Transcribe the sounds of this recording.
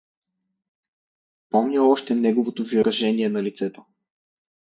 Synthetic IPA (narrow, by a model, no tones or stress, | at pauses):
pɔmnʲəɔʃt̪ɛnɛɡovot̪oviɾɐʒɛniɛnɐlit̪sɛt̪o̥